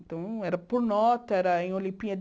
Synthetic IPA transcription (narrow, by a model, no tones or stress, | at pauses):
nt̪ɐ̃w̃ɛɾɐpʊɾnɔːt̪ɛɾɐẽolĩmpiɲɐd̪